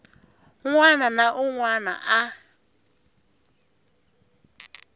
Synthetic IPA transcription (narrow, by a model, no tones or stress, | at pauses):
ŋʷwananaʔuŋwana̰ʔa